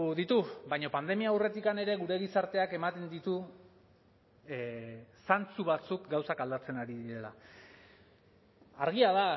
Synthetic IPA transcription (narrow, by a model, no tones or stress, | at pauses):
ðit̪ubajɲo̞pand̪e̞miaːwre̞t̪ikane̞ɾe̞ɣuɾe̞ɣ̞isaɾt̪e̞ake̞mat̪e̞nd̪it̪u | sant͡suβat͡sukɡawsakald̪at͡se̞naɾiðiɾe̞la | aɾɣiaða